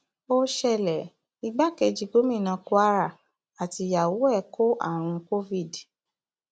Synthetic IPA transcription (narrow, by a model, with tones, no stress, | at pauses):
o˧ʃɛ˧˨lɛ˨ | i˧ɡ͡ba˦kɛ˧d͡ʒi˧ɡo˨˦mĩ˦˨nã˧ko˦a˦ɾa˦˨ | a˨ti˧˦ja˨wo˨˦ɛ˦˨ko˦ʔa̰˦˨ɾ̃ũ˧ko˦vi˦˨d